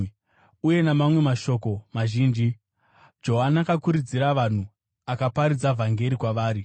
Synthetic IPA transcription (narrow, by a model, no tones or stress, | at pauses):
uje̞namamwe̞maʃo̞ko̞maʒiːnd͡ʒi | d͡ʒo̞ɦanakakuɾid͡ziɾaʋan̤u | akapaɾid͡zavʱaŋɡe̞ɾikwaʋaːɾi